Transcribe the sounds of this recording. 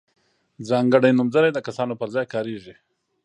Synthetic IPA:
zɑŋɡəɽajnʊmzaɾajd̪əkasɑnopəɾzɑjkɑɾeʐi

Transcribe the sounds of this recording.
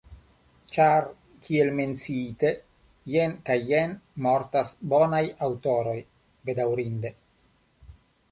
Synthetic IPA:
t͡ʃaɾ | kʰielme̞nt͡siite̞ | jenkajːenmo̞ɾtasbo̞najawto̞ɾo̞j | be̞dawɾinde̞

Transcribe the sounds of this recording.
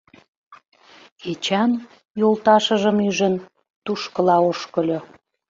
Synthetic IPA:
it͡ɕɑn | jolt̪ɑʃə̆ʒə̆myʒə̆n | t̪uʃkə̆lɑoʃkə̆lʲo

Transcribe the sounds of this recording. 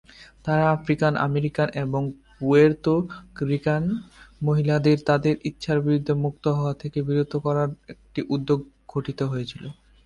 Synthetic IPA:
t̪aɾaafɾikanʔa̰meɾikanʔeboŋ | ueɾt̪okɾikanmoɦilad̪eɾt̪ad̪eɾʔit̪ːʃʰaɾbiɾud̪ʱːemukt̪oɦɔat̪ʰekebiɾud̪ʱːokɔɾaɾek̚ʈiʔud̪ːoɡ | ɡʱoʈit̪oɦojet͡ɕʰilo

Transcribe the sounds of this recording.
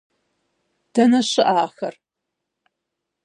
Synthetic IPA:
d̥ɐnɐʃɨʔaːxɐr

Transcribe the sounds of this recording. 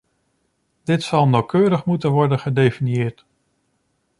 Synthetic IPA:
d̥ɪtsɑlˠnawkøːɾəχmutənʋɔɹdənχədejfiniɪːɹt

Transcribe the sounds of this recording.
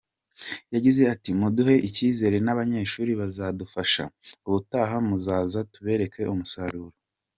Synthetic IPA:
jaɟize̞atimuduɦe̞ʔiciːze̞ɾe̞naβaɲe̞ːʃuːɾiβazaːdufaʃa̰uβutaɦamuzaːzatuβe̞ːɾe̞ke̞ʔumusaɾuːɾo

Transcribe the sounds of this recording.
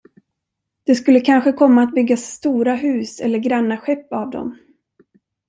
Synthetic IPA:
d̪̥ɛskɵlːəkʰanɧəkʰɔmːaːt̪̚bʏɡːasːt̪uːɾaɦʉ̟ːsɛ̰lːəɾɡɾanːaɧɛpːavd̪ɔ̰m

